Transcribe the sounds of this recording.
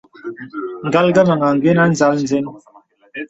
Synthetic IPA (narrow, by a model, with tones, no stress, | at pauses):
ŋ̩˨ɡa˦lɡa˦ma˨ŋa˨ŋ˨ɡe˦na˦n̩˦za˦ln̩˨ze˦n˦